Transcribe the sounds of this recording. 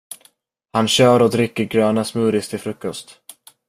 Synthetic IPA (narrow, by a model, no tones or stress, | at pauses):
hanɕœːɾɔd̪ɾɪkːəɾɡɾøːnasmʉ̟ːɾɪst̪ɪfɾɵkːɔst̪